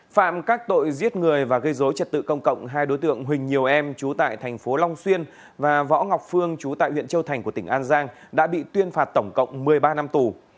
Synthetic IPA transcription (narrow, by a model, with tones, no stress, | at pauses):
fa̰ː˧˨mkaː˦˥k̚t̪o̰˧˨jzi˦˥ət̚ŋɨ˨˩əjvaː˨˩ɣə˧jzo˨˦jt͡ɕə˨˩t̚t̪ɨ̰˧˨kə˧wŋ͡mkə̰˧˨wŋ͡mɦaː˧jɗo˨˦jt̪ɨ̰˧˨əŋɦwï˨˩ŋ̟ɲi˨˩əwʔɛ˧mt͡ɕu˨˦t̪a̰ː˧˨jt̪ʰɛ˨˩ŋ̟fo˨˦la˧wŋ͡mswi˧ən | vaː˨˩vɔ̰˧˥ŋa˨˩wk͡p̚fɨ˧əŋt͡ɕu˨˦t̪a̰ː˧˨jhwḭ˧˨ənt͡ɕə˧wt̪ʰjŋ̟ku˧˩ət̪ï˧˩ŋ̟ʔaː˧nzaː˧ŋ | ɗa̰ː˧˥ɓḭ˧˨t̪wi˧ənfaː˨˩t̚t̪ə˧˩wŋ͡mkə̰˧˨wŋ͡mmɨ˨˩əjɓaː˧na˧mt̪u˨˩